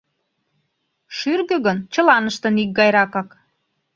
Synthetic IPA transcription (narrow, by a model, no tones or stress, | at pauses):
ʃyrɣø̆ɣənt͡ɕə̆lɑnəʃt̪ə̆nik̚ɡɑjɾɑkɑk